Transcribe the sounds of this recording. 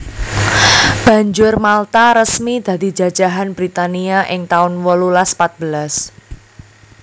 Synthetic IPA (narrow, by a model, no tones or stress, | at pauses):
b̥ä̤ɲd͡ʒʊrmalt̪aɾəsmid̪̥a̤d̪̥i̤̥d͡ʒ̥ä̤̥d͡ʒ̥a̤ɦanbɾit̪aniaʔɪŋt̪aʊnwəlulaspat̪̚b̥əlas